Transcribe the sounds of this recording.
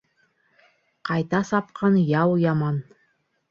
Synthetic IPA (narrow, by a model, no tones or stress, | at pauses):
qʰɑjt̪ɑsɑp̚qʰɑnjɑwjɑmɑn